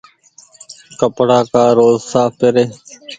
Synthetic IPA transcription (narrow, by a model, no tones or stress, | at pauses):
kəpɽaːkaːɾoːzsaːpeɾeː